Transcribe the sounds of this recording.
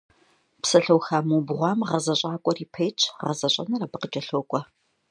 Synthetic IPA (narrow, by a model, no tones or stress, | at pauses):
psɐɬɐwxaːmuːbʁʷɑːmʁɐzɐɕʼaːkʷʼɔriːpʰɐjt͡ʃʰʼʁɐzɐɕʼɐ̰nɐrabɨqət͡ʃʼɐɬoːkʷʼɔ